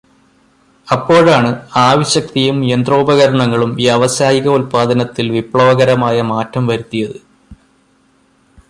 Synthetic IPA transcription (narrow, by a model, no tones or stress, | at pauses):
ɐpːo̞ːɻaːɳɨaːʋiɕɐk̚t̪ijumjend̪roːbɐɣɐɾɐɳɐŋːɐɭumijɐʋɐsaːjiɣɐulpaːd̪ʱɐnɐt̪ːilʋipɭɐʋɐɣɐɾɐmaːjɐmaːtʰːɐmʋɐɾut̪ːijɐðɨ